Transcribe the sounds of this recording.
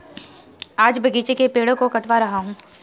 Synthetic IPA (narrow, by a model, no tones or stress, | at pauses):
aːd͡ʒbɐɡiːt͡ʃekepeːɽõkokɐʈʋaɾɐɦaɦũː